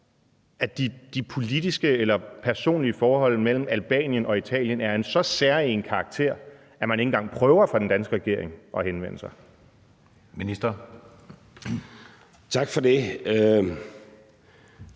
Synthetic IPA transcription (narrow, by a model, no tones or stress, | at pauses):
æd̥id̥ipʰo̝lid̥isɡ̥əelɐpʰæɐso̝̰ːnliəfɒːhɒ̽l̰mel̰m̩ælb̥ɛ̰ːnjənɒ̽it͡sʰɛ̰ːljənæɐe̝nsɒ̽sæɐie̝nkʰɑ̈ːɡ̥̚t͡sʰe̝̰ɐ̰ | æmæne̝ŋn̩ɡɑ̈ŋ̰pʰʁœːʊɐfɒ̽d̥end̥ænsɡ̥əʁɛɡ̥e̝ɐ̰eŋʔɒ̽henʋen̰əsɑ̈ɪ | minisd̥ɐ | t͡sʰɑ̈ɡ̥fɒde